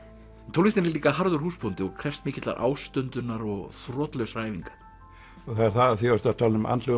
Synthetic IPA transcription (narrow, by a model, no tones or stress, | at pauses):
t̪ʰowlist̪ɪnɛɾliːkaɦaɾðʏɾ̥huːspʰɔnt̪ɪɔɣkʰɾɛfst̪mɪːcɪt̪la̰ɾʔa̰ːwst̪ʏnt̪ʏnːaɾɔɣθrɔːt̪lœɥsraːjviŋkḁɾ̥ | ɔɣθaðɛɾ̥θaðaθiaɾt̪at̪ʰaːlɪnʏmʔa̰nt̪lœ